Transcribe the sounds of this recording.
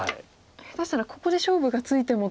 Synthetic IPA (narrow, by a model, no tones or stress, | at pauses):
et̪aɕi̥naɾako̞ko̞d̪e̞ɕo̞ːbɯ̟ɡat͡sɨit̪e̞mo̞